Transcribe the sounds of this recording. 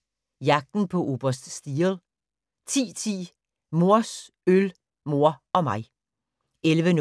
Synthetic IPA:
jɑ̈ɡ̥̚d̥n̩pʰɒ̽ʔo̝ːb̥ɐsd̥sd̥iːlˠ | t͡sʰḭːt͡sʰḭː | mo̝ɐ̰s | øl | mo̝ɐ̰ɒ̽mɑ̈ɪ | elʋən

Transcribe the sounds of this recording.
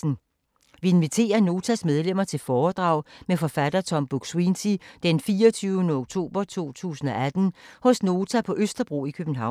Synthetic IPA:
n̩ | ʋie̝nʋit͡sʰe̝̰ːɐno̝ːt͡sʰæsmeð̞ˠlem̰ɐt͡sʰe̝lfɒːd̥ʁɑ̈ʊ̰mefɒ̽fæd̥ɐt͡sʰɒ̽mb̥uɡ̥swinsid̥enfiːɒt͡sʰyːʊənəoɡ̥̚t͡sʰo̝̰ːb̥ɐt͡sʰo̝̰ːt͡sʰṵːsn̩ɒ̽æd̥n̩hɔ̽sno̝ːt͡sʰæpʰɒ̽ʔøsd̥ɐb̥ʁo̰ːikʰøb̥n̩ɦɑ̈ʊ̰

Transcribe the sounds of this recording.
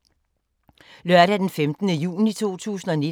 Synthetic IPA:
lɶɐ̰ɾæd̥enfemd̥ənəjṵːnit͡sʰo̝̰ːt͡sʰṵːsn̩ɒ̽ne

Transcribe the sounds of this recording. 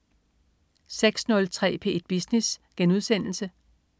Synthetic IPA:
seɡ̥snɔ̽lt͡sʰʁɛ̰ːpʰe̝e̝d̥̚b̥isnisɡ̥enuðˠsen̰l̩sə

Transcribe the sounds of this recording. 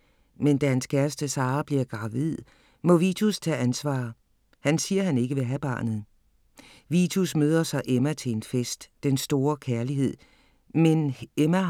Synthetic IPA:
mend̥æhænskʰæɐsd̥əsɑ̈ːb̥liɐɡ̥ʁɑ̈ʋið̰ˠ | mɔ̽ʋit͡sʰust͡sʰɛ̰ːænsʋɑ̰̈ː | hænsiːɐhæne̝ɡ̥əʋe̝ɦæb̥ɑ̈ːnð̩ˠ | ʋit͡sʰusmøːð̞ˠɐsɑ̈ɪʔemæt͡sʰe̝nsfesd̥ːensd̥o̝ːɐkʰæɐliɦe̝ð̰ˠ | menemæ

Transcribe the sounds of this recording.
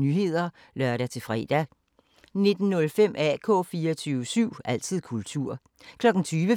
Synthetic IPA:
nyɦe̝ð̰ˠɐ | lɶɐɾæt͡sʰe̝fʁɛ̰ːd̥æ | ne̝d̥n̩nɔ̽lfem̰ʔæ̰kʰɔ̰̽ːfiːɐɒt͡sʰyːʊəsyʊ̰æl̰t͡sʰið̰ˠkʰult͡sʰuɐ̰ | kʰlɒ̽ɡ̥n̩t͡sʰyːʋə

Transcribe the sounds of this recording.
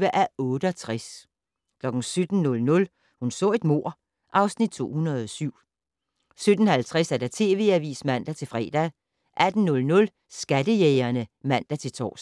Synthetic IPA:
ʋəʔæɔ̽ːɾ̥əɒt͡sʰʁas | kʰlɒ̽ɡ̥n̩sød̥n̩nɔ̽lnɔ̽l | hunsɔ̰̽ːe̝d̥mo̝ɐ̰ | ʔɑ̈ʊsnid̥̚t͡sʰo̝̰ːhunɐðˠɒsyʊ̰ | sød̥n̩hælt͡sʰʁasæɐd̥æt͡sʰe̝̰ːʋe̝æʋḭːsmæn̰d̥æt͡sʰe̝lfʁɛ̰ːd̥æ | ʔæd̥n̩nɔ̽lnɔ̽l | sɡ̥æd̥əjeɪɐnəmæn̰d̥æt͡sʰe̝lt͡sʰɒ̰ːs

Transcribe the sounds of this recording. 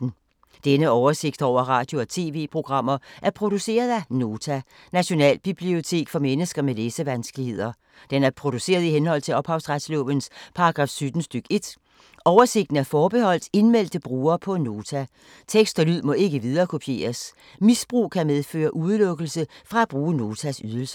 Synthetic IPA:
n̩ | d̥enəɒʊɐse̝ɡ̥̚d̥ɒʊ̰ɐʁɑ̈ːd̥jo̝ɒt͡sʰe̝̰ːʋe̝̰ːpʰʁo̝ɡ̥ʁɑ̈m̰ɐʔæɐpʰʁo̝d̥use̝̰ːɐð̞ˠæno̝ːt͡sʰæ | næɕo̝nɛ̰ːlb̥ib̥lio̝t͡sʰe̝̰ːɡ̥fɒ̽menəsɡ̥ɐmeleːsəʋænsɡ̥əlihe̝ð̞̰ˠɐ | d̥enæɐpʰʁo̝d̥use̝̰ːɐð̞ˠiɦenhɒ̽l̰t͡sʰe̝lɒ̽b̥hɑ̈ʊsʁɑd̥slɔ̰ːʋənspʰɑ̈ɑɡ̥ʁɑ̈ːfsyd̥n̩sd̥yɡ̥e̝d̥ | ɒʊɐse̝ɡ̥d̥n̩æɐfɒːb̥e̝hɒ̽l̰d̥e̝nmel̰d̥əb̥ʁuːɐːpʰɒ̽no̝ːt͡sʰæ | t͡sʰeɡ̥sd̥ɒlyð̰ˠmɒ̽e̝ɡ̥əʋið̞ˠɐːkʰo̝pʰje̝̰ːɐs | misb̥ʁṵːkʰæmeð̞ˠfø̰ːɐʔuð̞ˠlɔ̽ɡ̥əl̩səfʁɑ̈æb̥ʁuːəno̝ːt͡sʰæsyðˠəl̩sə̥

